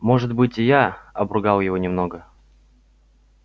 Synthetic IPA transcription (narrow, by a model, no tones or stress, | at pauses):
mo̞ʐɨt̪bɨtʲɪjaɐbrʊɡɑlˠjɪvonʲɪmno̞ɡə